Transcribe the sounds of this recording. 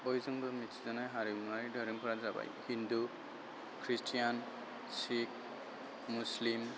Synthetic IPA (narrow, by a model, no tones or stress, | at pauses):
ɔjzɔŋbɯmitsizɔnajɦaɾibumaɾidʱɔɾɯmpʰɔɾazaba̰jhindu | kʰɾistʰijan | sik̚ | muslim